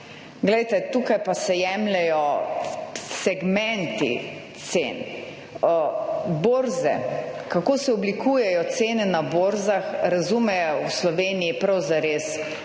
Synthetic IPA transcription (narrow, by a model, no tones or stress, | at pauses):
ɡlɛjt̪ɛt̪uːkajpasɛjɛːmlɛjɔ | sɛɡmɛnt̪ḭt̪sḛːn | boːɾzɛ̰kakoːsɛɔblikuːjɛjɔt̪seːnɛnaboːɾzaxɾazuːmɛwslɔʋeːnijipɾawzaɾeːs